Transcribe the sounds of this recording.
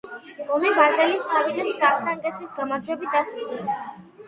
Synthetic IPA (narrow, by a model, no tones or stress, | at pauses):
ɔmɛbazɛlist̪ʰavid̪asapʰɾaŋkʼɛt̪ʰisɡamaɾd͡ʒwɛbit̪̚ʰast̪sʼlɛbs